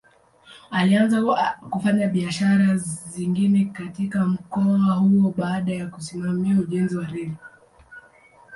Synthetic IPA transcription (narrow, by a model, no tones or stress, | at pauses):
alianzakufaɲaɓiaʃaɾaziŋɡinɛkatikam̩kɔahuɔɓaːɗajakusimamiauʄɛnziwaɾɛli